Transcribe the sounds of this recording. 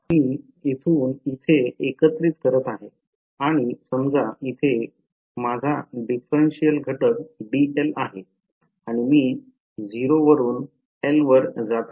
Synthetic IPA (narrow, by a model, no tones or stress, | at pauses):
miː | it̪ʰuːnit̪ʰeekət̪ɾiːt̪kəɾət̪aɦe | aɽ̃isəmd͡zʱait̪ʰe | mad͡zʱaɖifɾenɕijəlɡʱəʈəkɖielaɦe | aɽ̃imiː | d͡zʱiɾoʋəɾuːn | elʋəɾd͡zat̪